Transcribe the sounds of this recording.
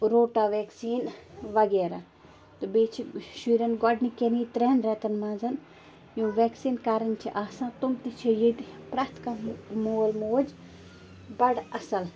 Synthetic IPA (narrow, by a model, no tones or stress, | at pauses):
ɾoːʈaːʋeːksiːnʋɐɡeːɾa | t̪ɨbiːt͡ʃʰiʃiːɾɐnɡɔɖnikeniːt̪ɾeːnɾɛːt̪ɐnmãːnzɐn | jũːʋeːksiːnkaːɾɐnʲt͡ʃʰiʔaːsãːt̪umt̪it͡ʃʰijiʈpɾaːt̪kamoːlmoːd͡ʒ | bɐɖɐsɐl